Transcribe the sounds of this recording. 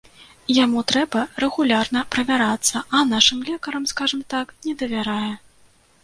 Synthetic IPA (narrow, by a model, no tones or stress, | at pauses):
jamut̪ɾɛbɐrɛɣulʲarnɐpɾɐvʲaɾat̪sːɐʔɐnaʂɨmlʲɛkɐɾɐmskaʐɐmt̪aknʲɛd̪ɐvʲaɾajɛ